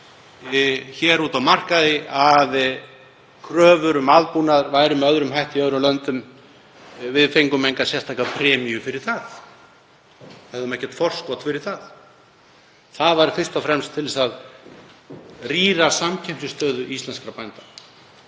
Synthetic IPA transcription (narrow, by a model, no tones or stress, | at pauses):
çɛːɾuːt̪awmar̥kaðɪað | kʰɾœːvʏɾʏmaðpunaðɾvaːjɾʏmɛœðɾʏmɦajht̪iœðɾʏmlœnt̪ʏm | vɪðfejŋkʏmejŋkasjɛr̥t̪ʰaːkapʰɾɛːmijʏfɪɾɪɾ̥θaθ | ɛðʏmɛhcːɛ̥t̪fɔr̥skɔt̪fɪɾɪɾ̥θað | θaðvaɾfɪr̥st̪ɔfɾɛmst̪ʰːɪlsað | riːɾasamcʰɛm̥t̪ʏst̪œːðʏist̪lɛnskɾapajnt̪a